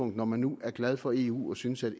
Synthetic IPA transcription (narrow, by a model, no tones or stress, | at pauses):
ɔ̽ŋ̰d̥nɒmænːuæɐɡ̥læð̞ˠfɒ̽e̝ːṵːɒ̽synəsæd̥